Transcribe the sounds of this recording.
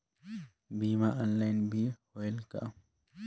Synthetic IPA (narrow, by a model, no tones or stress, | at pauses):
biːmaʔɔnlajnbihɔɛlka̰ʔ